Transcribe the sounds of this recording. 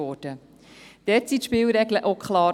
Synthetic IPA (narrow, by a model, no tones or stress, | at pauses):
ɔːɾd̥ə | d̥ɛːtsit̪ʃpɪːlɾɛɡləʔokʰχlɑː